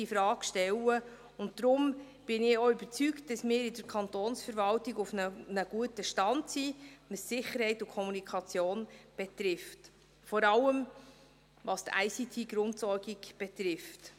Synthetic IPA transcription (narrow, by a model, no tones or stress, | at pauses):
ifɾɑːɡʃtɛlə | ʊntdɾʊm | b̥ɪnɪoyb̥əɾt͡sykt̚d̥ɑsmɪːɾɪdəɾkʰɑnt̪oːnsfəɾvɑltɪɡʊfnənəɡ̥uətəʃtɑntsiʋəsːɪχəɾhɛɪtʊkʰχɔmunikʰɑt͡sjoːnb̥ɛt̪ɾɪft | fɔɾɑlːəm | vɑst̪æ̰ɪjsitʰiːɡ̥ɾʊntsɔrɡiɡb̥ɛt̪ɾɪft